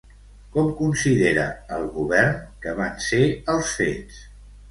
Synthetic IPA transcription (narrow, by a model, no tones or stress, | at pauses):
kɔmkunsiðeɾəəlˠɣuβɛrnkəβanseəlˠsfes